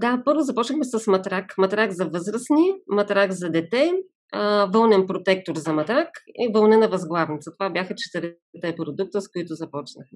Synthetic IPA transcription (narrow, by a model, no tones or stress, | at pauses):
d̪apɤɾvozɐpɔt͡ʃnəxmɛsɐsmɐt̪ɾakmɐt̪ɾaɡzɐvɤzɾəsnimɐt̪ɾaɡzɐd̪ɛt̪ɛ | vɤlˠnɛnpɾot̪ɛk̚t̪oɾzɐmɐt̪ɾakivəlˠnɛnɐvɐzɡlˠavnit̪sət̪ovabʲjaxɐt͡ʃɛ̥t̪ɛɾ | t̪ɛpɾod̪uk̚t̪əskʊit̪ʊzɐpɔt͡ʃnəxmɛ